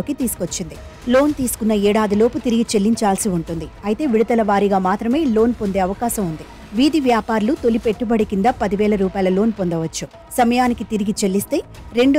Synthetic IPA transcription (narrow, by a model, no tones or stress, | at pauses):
oːkit̪iːsu̥kot͡ʃːind̪i | lo̞ːnt̪iːsu̥kunːɐɛːɽaːd̪ilo̞ːput̪iɾiɡit͡ʃe̞lːiɲt͡ʃaːlsiuɳʈund̪iɐjit̪e̞ːʋiɽit̪ɐlɐʋaːɾiɡaːmaːt̪ɾɐme̞ːlo̞ːnpo̞nd̪e̞ːɐʋɐkaːʃɐmund̪i | ʋiːd̪iʋjaːpaːɾɐlut̪o̞lipe̞ʈːubɐɽikind̪aːpɐd̪iʋɛːlɐɾuːpaːjlɐlo̞ːnpo̞nd̪ɐʋɐt͡ʃːu | sɐmɐjaːnikit̪iɾiɡit͡ʃe̞lːist̪e̞ːɾe̞ɳɖ